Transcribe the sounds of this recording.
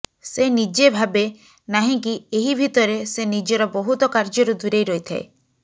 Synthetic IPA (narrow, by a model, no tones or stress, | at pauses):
senid͡ʒebʱabe | naɦĩk̬ieɦibʱit̪ɔɾesenid͡ʒɔɾɔbɔɦut̪ɔkaɾd͡ʒɔɾud̪uɾejɾɔit̪ʰaḛ